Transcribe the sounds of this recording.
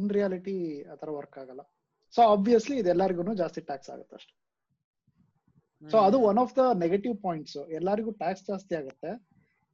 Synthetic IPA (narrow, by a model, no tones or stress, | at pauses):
nɾijaːliʈia̰ːt̪ʰɐɾɐʋɐɾkaːɡɐlːɐ | soːaːbʋijɐsliːd̪ɛlːaɾiɡuːnuːd͡ʒaːst̪iʈaːksa̰ːɡut̪ːɐ̰ʂʈu̥ | soːɐd̪uʋɐnɔːfd̪ɐneɡeʈiʋpoːjiɳʈsuɛlːaːɾiɡuːʈaːksd͡ʒaːst̪iaːɡut̪ːe̞